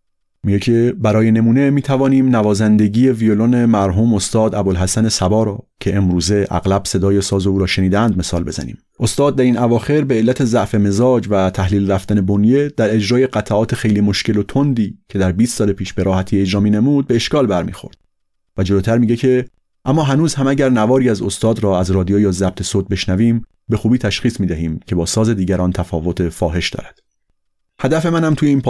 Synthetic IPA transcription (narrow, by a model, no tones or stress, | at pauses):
miɟecʰe̞bæɾɒːje̞ne̞muːne̞miːt̪ʰævɒːniːmnævɒːzænd̪e̞ɟiːje̞vijolone̞mæɾɦuːmo̞st̪ɒːd̪æbolɦæsæne̞sæbɒːɾɒːcʰe̞ʔemɾuːze̞ʔæ̰ɣlæb̥se̞d̪ɒːjesɒːzeuːɾɒːʃe̞niːd̪ænd̪me̞sɒːlbe̞zæ̰nḭːm | ʔo̞st̪ɒːd̪̚ːæɾinævɒːxe̞ɾbeelːæt̪ʰe̞zæʔfeme̞zɒːd͡ʒvæt̪ʰæhliːlræft̪æne̞bonje̞d̪̥æɾe̞d͡ʒɾɒːje̞ɢæt̪ʰæɒːt̪ʰexe̞jliːmo̞ʃce̞lot̪ʰond̪iːcʰe̞d̪æɾbiːst̪sɒːlepʰiːʃb̥e̞ɾɒːhæt̪ʰiːed͡ʒɾɒːmiːne̞muːd̪̚be̞ːʃkɒːlbæɾmḭːxo̞̰ɾd̪̥ | væd͡ʒoloːt̪ʰæɾmiːɟe̞cʰe̞ | ʔæmːɒːɦænuːzhæmæɟæɾnævɒːɾiːæzost̪ɒːd̪ɾɒːæzɾɒːd̪iojɒːzæb̚t̪ʰe̞sot̪̚be̞ʃnæviːm | be̞xuːbiːt̪ʰæʃxiːsmiːd̪æɦiːmcʰe̞bɒːsɒːze̞d̪iːɟæɾɒːnt̪ʰæfɒ̰ːvo̞t̪ʰefɒːɦe̞ʃd̪ɒ̰ːɾæd̪̥ | hæd̪æfe̞mænhæmt̪ʰujeiːnpʰ